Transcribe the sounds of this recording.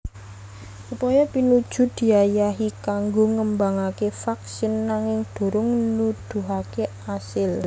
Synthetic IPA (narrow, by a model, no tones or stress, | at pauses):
upɔjɔpinud̥ʒ̥ʊ̤d̪̥i̤ajaɦikaŋɡoŋəmbaŋakefaksɪnːaŋɪŋd̪̥o̤ɾʊŋnud̪̥ṳɦake | asɪl